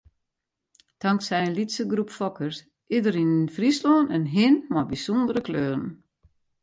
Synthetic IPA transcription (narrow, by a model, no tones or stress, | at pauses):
taŋksɛjənlitsəɡrupfɔkʰərs | idəɾinənfrislɔːnənɦɪnmɔbisɔndəɾəkløːrən̩